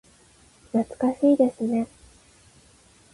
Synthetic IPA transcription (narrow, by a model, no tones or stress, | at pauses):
nat͡sɨ̥kaɕiːd̪e̞sɨne̞